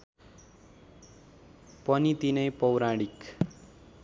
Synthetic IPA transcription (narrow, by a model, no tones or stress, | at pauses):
pʌnit̪inʌjpʌwɾaɽik